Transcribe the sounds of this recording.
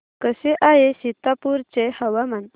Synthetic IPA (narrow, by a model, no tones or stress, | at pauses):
kəseʔaɦesit̪ːapuɾt͡ɕehəʋaman